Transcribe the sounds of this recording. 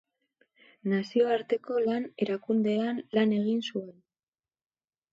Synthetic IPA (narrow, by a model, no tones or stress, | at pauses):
nasio̞aɾt̪e̞ko̞lane̞ɾakund̪e̞anlane̞ɣinsue̞n